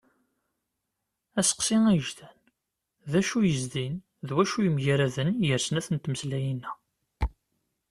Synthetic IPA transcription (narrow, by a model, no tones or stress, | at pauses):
æsə̥qsiŋæjəʒðæn | ðæʃujəzðin | ðwæʃujəmjaɾæðənjəɾsənæθənt̪məslæjinːæ